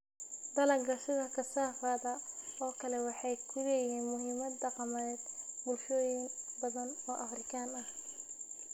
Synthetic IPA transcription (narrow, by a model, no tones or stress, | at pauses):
d̪ɐlɐŋɡɐʃɪɣɐkʰɐsaːfaːðɐɔːkʰɐlɛwɑħɑjkʰʊlɛːjɪɦiːnmʊɦɪːmɐd̪ːɑqɑmɐɛːd̪bʊlʃɔːjɪnbɐðɐnɔːʔɐfrɪkʰaːnɐh